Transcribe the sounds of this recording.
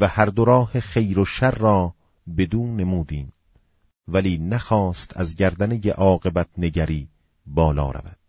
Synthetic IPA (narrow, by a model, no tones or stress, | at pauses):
væhæɾd̪oɾɒːheχe̞jɾoʃæɾːɒː | be̞d̪uːne̞muːd̪iːm | væliːnæxɒːst̪ʰæ̰zɟæɾd̪ænejeʔɒːɣe̞bæt̪̚ʰneɟæɾiː | bɒːlɒ̰ːɾæ̰væ̰d̪̥